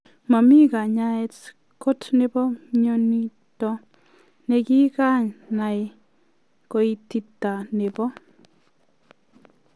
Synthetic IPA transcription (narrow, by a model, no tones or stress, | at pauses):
mamikaɲaɛt | kotnebɔɲonitɔ | nɛkikaɲnaj | koitːitːanebɔ